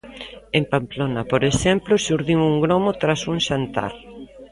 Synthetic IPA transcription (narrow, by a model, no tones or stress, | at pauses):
empamplonapoɾeʃɛmplʊsuɾðimuŋɡɾomot̪ɾasuŋʃant̪a̰ɾ